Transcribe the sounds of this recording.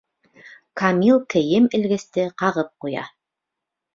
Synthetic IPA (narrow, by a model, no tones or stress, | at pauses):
kamʲilˠkɘ̆jɘmɘ̆lɡɘ̆st̪ɘqɑʁɤp̚qujɑ̰